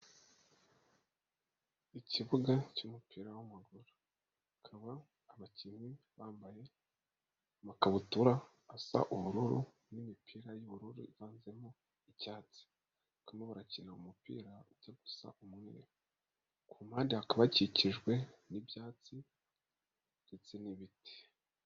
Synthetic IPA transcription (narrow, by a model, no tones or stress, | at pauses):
iciβuɡacumupʰiːɾawamaɡuɾu | kʰaβaː | βacimi | βaːmbaje̞ | makaβutuɾaː | sa̰ʔuβuɾuɾu | nimipʰiːɾajuβuɾuɾṵiβaːnze̞mo | icaːt͡si̥ | kameβaɾacinaumupḭːɾauɟaɡu̥sa̰ʔumŋḛːɾ | kʰumaːndiakaβaciciʒɡwe̞nibjaːt͡si | det͡se̞niβitie̥